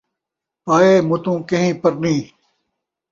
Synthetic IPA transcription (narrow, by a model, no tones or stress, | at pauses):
paːeːmʊt̪ũːkɐ̃ɦĩːpɐɾnĩː